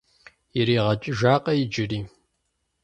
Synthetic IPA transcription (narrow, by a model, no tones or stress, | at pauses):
jɛɾiːʁɐt͡ʃʼɪʒaːqʼɐjɪd͡ʒɪriː